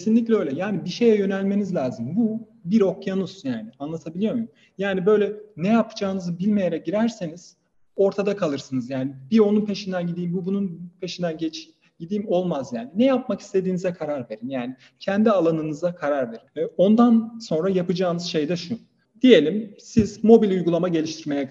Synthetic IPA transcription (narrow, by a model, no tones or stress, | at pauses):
cʰesinlʲiclʲɛø̞jlʲɛjaːnibiʃe̞jɛjø̞nælʲme̞nizlʲaːzɯmbu | biɾo̞kjanuzjaːnianlˠat̪ʰabilʲijo̞ɾmujum | jaːnibø̞jlʲɛnɛjapʰɯ̥d͡ʒaːɯnɯzɯbilʲme̞jeɾɛɟiɾæɾse̞niz̥ | o̞ɾt̪ʰad̪akʰalˠɯɾsɯnɯzjaːnibio̞nunpʰe̞ʃind̪ænɟid̪iːmbubununpʰe̞ʃind̪ænɟet͡ʃ | ɟid̪iːmo̞lˠmazjaːninɛjap̚maki̥st̪ʰe̞d̪iːnizɛkʰaɾaɾve̞ɾinjaːni | cʰɛnd̪ialˠanɯnɯzakʰaɾaɾve̞ɾino̞nd̪anso̞nɾajapɯd͡ʒaːnɯz̥ʃe̞jd̪ɛʃu | d̪̥ije̞lʲimsiz̥mo̞bilʲujɡulˠamaɟe̞lʲiʃt̪ʰiɾme̞jɛ